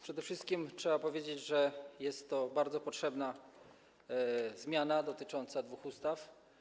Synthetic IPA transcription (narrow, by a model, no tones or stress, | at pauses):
pʂɛd̪ɛfʂɘst̪̚kʲimtʂɛbapɔvʲjed͡ʑed͡ʑʐɛjɛst̪ːɔbaɾd̪zɔpɔtʂɛbna | zmʲjanad̪ɔt̪ɘt͡ʂɔnt̪sad̪vuxust̪af